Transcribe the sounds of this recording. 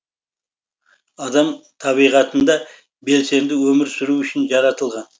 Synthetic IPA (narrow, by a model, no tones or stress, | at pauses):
ɑd̪ɑmt̪ʰɑβijʁɑt̪ənd̪ɑ | be̞lse̞md̪ɪwɵmɪɾsʏɾuwʏʃɪnʒɑɾɑt̪əlˠʁɑn